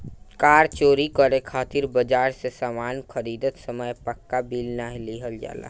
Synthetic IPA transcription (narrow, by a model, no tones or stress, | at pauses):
kaːɾt͡ʃoːɾikəɾekʰaːt̪ɪɾbəd͡ʒaːɾsesaːmaːnkʰəɾiːd̪ət̪səməjpəkːabiːlnaːɦeliːɦəld͡ʒa̰ːla̰ː